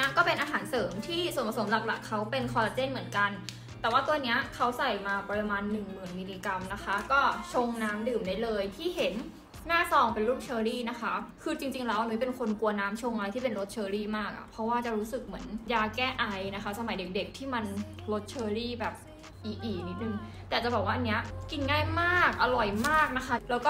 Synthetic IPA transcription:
na˦˥kɔː˥˩pe˧nʔaː˧ɦaː˩˦nsɤː˩˦mt̪ʰiː˥˩so˨˩˦npa˧so˩˦mla˨˩k̚la˨˩kʰːa˦˥wpe˧nkʰɔː˧la˧t͡ɕe˥˩nmɯ˩˦ənka˧n | t̪ɛː˨˩waː˥˩t̪u˧ɐni˦˥ɐkʰa˦˥wsa˨˩jmaː˧pɾa˧maː˧nːɯ˨˩ŋmɯː˨˩nmiː˧liː˧ka˧mna˦˥kʰa˦˥kɔː˥˩t͡ɕʰo˧ŋnaː˦˥mdɯː˨˩mda˦˥˩lɤː˧jt̪ʰiː˥˩ɦe˩˦nː | aː˥˩sɔː˧˩ŋpe˧nɾuː˥˩p̚t͡ɕʰɤː˧ɾiː˥˩na˦˥kʰa˦˥kʰɯː˧t͡ɕi˧ŋt͡ɕi˧ŋlɛː˦˥wʔa˧ni˦˥pe˧nkʰo˧nku˧ɐnaː˦˥mt͡ɕʰo˧ŋʔa˧a˧jt̪ʰiː˥˩pe˧nɾo˦˥t̪̚t͡ɕʰɤː˧ɾiː˥˩maː˥˩k̚ʔa̰˨˩pʰɾɔ˦˥waː˥˩t͡ɕa˨˩ɾuː˦˥sɯ˨˩k̚mɯ˩˦ənjaː˧kɛː˥˩ʔa˧jna˦˥kʰa˦˥sa˧ma˨˩˦jde˨˩k̚de˨˩k̚t̪ʰiː˥˩ma˧n | ɾo˦˥t̪̚t͡ɕʰɤː˧ɾiː˥˩bɛː˨˩p̚ | ʔiː˨˩k̚ʔiː˨˩k̚ni˦˥t̪̚nɯ˨˩ŋ | t̪ɛː˨˩t͡ɕa˨˩bɛː˨˩k̚waː˥ʔnːi˦˥ɐki˧nŋaː˥˩jmaː˥˩k̚ʔa˧ɾɔ˨˩jmaː˥˩k̚na˦˥kʰa˦˥lɛː˦˥wkɔː˥˩

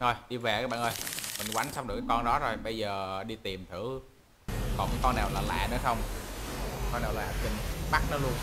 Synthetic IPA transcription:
zo˨˩jɗi˧ve˨˩kaː˨˦˥ɓa̰ː˧˨ʔəː˧jmï˨˩ŋ̟wa˨˦jŋ̟sa˧˦wɗɨ˨˩ka˨˦kɔ˧nɗɔ˨˦zo˨˩jɓə˧jzəː˨˩ɗi˧t̪i˨˩mt̪ʰɨ˧˩ | kɔ˨˩ŋ˨˦kɔ˧nːaː˨˩wlaː˨˩la̰ː˧˨nɔ˨˦xə˧wŋ͡m | kɔ˧naː˨˩wla̰ː˨˩˨a˨˩ï˨˩ŋɓa˦˥k̚nɔ˨˦lu˧ən

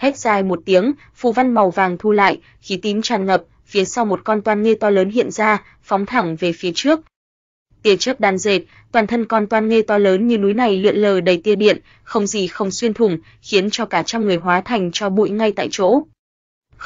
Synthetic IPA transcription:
hɛ˦˥t̚z̥aː˧jmo˨˩t̚t̪i˨˦əŋ | fṵ˧˨va˧nma˨˩wvaː˨˩ŋt̪ʰu˧la̰ː˧˨jʔ | xi˨˦t̪i˨˦ŋ̟t͡ɕaː˨˩nŋə˨˩p̚ | fi˨˦əsa˧wmo˨˩t̚kɔ˧nt̪waː˧nŋe˧t̪ɔ˧ləː˨˦nɦḭ˧˨ənzaː˧ | fɔ˨˦wŋ͡mt̪ʰa˧˩ŋve˨˩fi˨˦ət͡ɕɨ˦˥ək̚ | t̪i˧˩ənt͡ɕə˦˥k̚ɗaː˨˩nze˨˩t̚ | t̪waː˨˩nt̪ʰə˧nkɔ˧nt̪waː˧nŋe˧t̪ɔ˧ləː˨˦nɲɨ˧nu˨˦jna˨˩jlḭ˧˨ənləː˨˩ɗə˨˩jt̪i˧˩əɗḭ˧˨ən | xə˧wŋ͡mzi˨˩xə˧wŋ͡mswi˧ənt̪ʰʊ˨˩ŋ͡m | xi˨˦ənt͡ɕɔ˧kaː˧˩t͡ɕa˧ŋ͡mŋɨ˨˩əjɦwaː˨˦t̪ʰa˨˩jŋ̟t͡ɕɔ˧ɓṵ˧˨jŋa˧jt̪a̰ː˧˨jt͡ɕo̰˧˥

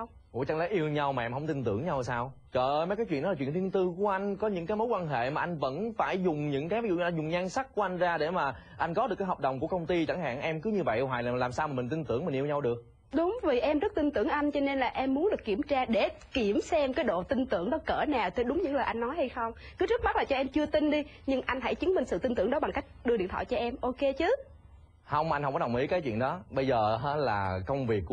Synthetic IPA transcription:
ʔṵ˧˥˦t͡ɕa˧ŋlaː˨˦jʔi˧əwɲa˧wmaː˨ʔɛ˧mhə˧wŋ͡mt̪ï˧nt̪ɨ̰˧˩əŋɲa˧wsaː˧w | t͡ɕɔː˨˩ʔəː˧jmə˨˦kaː˨˦jt͡ɕwḭ˧˨nɗɔ˦aː˨˩wḭ˧˨nli˧ənt̪ɨ˧ku˧˩əʔa˧jŋ̟kɔ˨˦ɲɨ̰˧˥ŋkaː˨˦jmo˨˦jkwaː˧nɦḛ˧˨maː˨˩ʔa˧jŋ̟və̰˧˥nfaː˧˩jzʊ˨˩ŋ͡mɲɨ̰˧˥ŋkaː˨˦jvi˦z̰ṵ˧˨˧a˧˩zʊ˨˩ŋ͡mɲaː˧ŋsa˦˥k̚ku˧˩˦ʔa˧ŋ̟zaː˧ɗe˧˩maː˨˩ | ʔa˧jŋ̟kɔ˨˦ɗɨ˨˩kaː˨˦ɦə˨˩k͡p̚ɗə˨˩wŋ͡mku˧˩əkə˧wŋ͡mt̪i˧t͡ɕa˧˩ŋɦa̰ː˧˨ŋʔɛ˧mkɨ˨˦ɲɨ˧və̰˧˨jɦwaː˨˩jlaː˨˩laː˨˩msaː˧maː˨˩mï˨˩ŋ̟t̪i˧ŋt̪ɨ˧˩əŋmï˨˩ŋʔi˧əwɲa˧wɗɨ˨˩ək̚ | ɗʊ˨˦wŋ͡mvi˨˩ʔɛ˧mzə˦˥t̚t̪i˧ŋt̪ɨ˧˩əŋʔa˧jŋ̟t͡ɕɔ˧ne˧nlaː˨˩ʔɛ˧mːu˨˦nɗɨ˨˩əkːi˧˩əmt͡ɕaː˧ɗe˧˩ | ki˧˩əmsɛ˧mkaː˨˦jɗo̰˧˨t̪i˧ŋt̪ɨ˧˨əŋɗɔ˨˦kəː˧˩na˨˩wt̪ʰe˨˩ɗʊ˨˦ŋ͡mɲɨ̰˧˥ŋləː˨˩jʔa˧jŋ̟nɔ˨˦jha˧jxə˧wŋ͡m | kɨ˨˦zə˦˥t̚m˦˥t̚laː˨˩t͡ɕɔ˧ʔɛ˧mt͡ɕɨ˧ət̪i˧ŋɗi˧ | ɲɨ˧ŋʔa˧jŋ̟ɦa̰˧˥jt͡ɕɨ˨˦nɓi˧˩ŋ̟sɨ̰˧˨t̪i˧nt̪ɨ˧˩əŋɗɔ˨˦ɓa˨˩ŋka˦˥jk̟̚ɗɨ˧ɗḭ˧˨ənt̪ʰɔ̰˧˨jt͡ɕɔ˧ʔɛ˧mʔo˧ke˧t͡ɕɨ˨˦ | hə˧wŋ͡mma˨˧j̟ɦŋ͡mfɔ˨˦ɗwŋ͡mʔḭ˨˦kaː˨˦jt͡ɕwḭ˧˨ənɗɔ˨˦ɓə˧jzəː˨˩ɦə˨˦laː˨˩kə˧wŋ͡mvi˨˩ək̚ː

